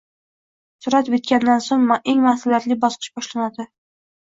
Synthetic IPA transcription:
sʊɾat̪bet̪̚kʲand̪ansoŋmeŋmasɪlat̪lɪbɒsqʰɨ̥ʃbɒʃlanad̪ɪ

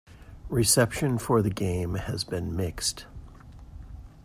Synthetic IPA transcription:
ɹɨsɛpʃɨ̃nfə˞ðɨɡẽɪ̃mɨzbɨ̃nmɪkst

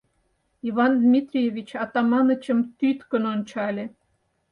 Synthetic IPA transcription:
iβɑnd̪mʲit̪rʲijevʲit͡ɕɑt̪ɑmɑnə̆t͡ɕə̆mt̪yt̪kə̆nonʲt͡ɕɑlʲe

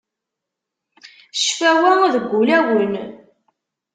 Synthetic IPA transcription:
ʃfæwæðəɡʷːulæwən

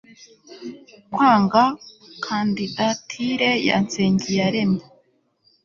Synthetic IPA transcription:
kwaːŋɡakʰandidatʰiɾeja̰nt͡seːɲɟijaɾema

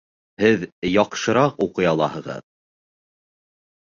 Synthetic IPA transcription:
hɘðjɑqʃɤ̆ɾɑquqɤ̆jɑlˠɑ̰hɤ̆ʁɤ̰ð

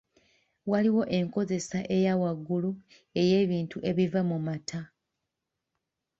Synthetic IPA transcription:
waliwo̞ʔe̞ŋko̞ze̞saʔe̞jawaɡːulu | e̞je̞ːβiːntuʔe̞βivamumatʰa

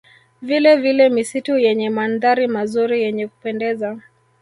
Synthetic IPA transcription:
vilɛvilɛmisitujɛɲɛmandaɾimazuɾijɛɲɛku̥pɛndɛza

